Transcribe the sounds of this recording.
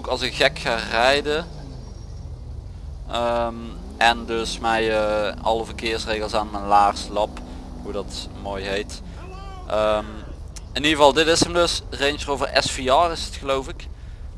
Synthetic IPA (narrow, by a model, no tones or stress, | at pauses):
owkɑlˠsəkɣɛkxaːrɛjdə | əm | ʔɛndɵsmɛjəɑ̰ləvərkɪːɹsrejɣəlˠsaːnmɛnlaːχslɑp | hudɑt | moːjɦejt | ʔəm | ɪniɣəvɑlˠdɪtɪsəmdɵsrejnsərowvərɛ̰sfiɑrɪsətxəlowvɪk